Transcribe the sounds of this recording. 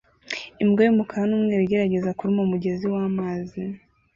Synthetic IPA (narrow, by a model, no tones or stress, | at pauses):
imɡejimukʰaɾanumŋeːɾiɟe̞ɾaɟe̞zakuɾimomuɟe̞ziwaːmaːzi